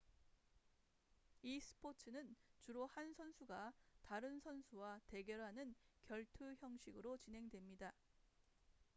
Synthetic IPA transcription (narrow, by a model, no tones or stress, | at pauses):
isʰɯ̥pʰot͡ɕʰɯnɯnt͡ɕuɾohansʰʌnsʰuɡataɾɯnsʰʌnsʰuwate̞ɡjʌɾɦanɯnkjʌɭtʰɯçjʌŋɕʰiɡɯɾot͡ɕinɦe̞ŋdwe̞mɲida